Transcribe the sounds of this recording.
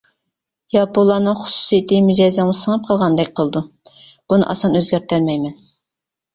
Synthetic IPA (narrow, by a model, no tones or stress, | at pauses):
jɑpolˠːɑnɨŋχʊ̥su̥sijet̪ʰɪmyd͡ʒɑjzɛəsəŋɨp̚qʰəlˠʁɑnd̪ɛkʲqʰəlˠɨd̪u | b̥unɨ̰ʔɑsɑnøzɡʲæɾt̪æɾmɛjmɛn